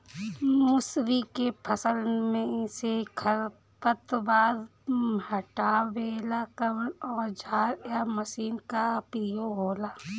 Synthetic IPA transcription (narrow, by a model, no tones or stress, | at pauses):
mʊsɾikepʰəsəlmẽsekʰəɾ | pət̪baːd̪ɦəʈaːʋeːlakəɔːɾd͡ʒʱaːɾjaməsiːnkapiːjoɦoːlaː